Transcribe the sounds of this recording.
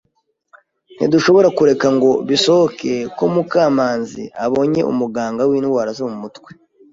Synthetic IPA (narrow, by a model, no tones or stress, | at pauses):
n̥ḭduʃo̞βo̞ɾakuɾe̞kaŋɡo̞βiso̞hokʰe̞ko̞mukaːmaːnzḭʔaβo̞ɲe̞̰ṵmuɡaːŋɡawiːnwaɾazomumutwe̞̥